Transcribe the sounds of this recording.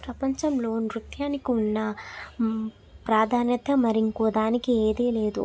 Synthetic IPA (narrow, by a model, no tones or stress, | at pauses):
pɾɐpɐɲt͡ʃɐmlo̞ːnɾut̪jaːnikiunːɐ | pɾaːd̪ʱaːnjɐt̪ɐmɐɾiŋkɔːd̪aːnikieːd̪eːle̞ːd̪ṵ